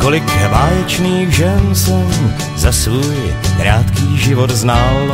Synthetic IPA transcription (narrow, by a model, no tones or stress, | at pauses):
ko̞lɪkvaːjɛt͡ʃniːxʒɛnsɛm | zasvuːjkɾaːt̪kiːʒɪvo̞t̪znal